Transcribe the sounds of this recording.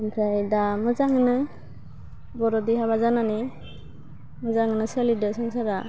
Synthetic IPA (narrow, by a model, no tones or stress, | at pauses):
npʰajdamɯzaŋnɯ | bɔɾɔdihaβazanani | mɯzaŋnɯselidɯsaŋsaɾa